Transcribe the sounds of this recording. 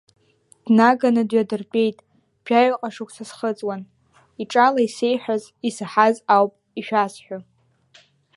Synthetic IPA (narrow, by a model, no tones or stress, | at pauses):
d̥naɡanɨdɥadɨrpʼe̞jtʼ | b̥ʰᶣaɥqʼaʂukʷʰʼsasχət͡sʼwan | iʈ͡ʂʼalaise̞jħᶣaz | isɨħazawpʼ | iʃᶣasħʷᶣa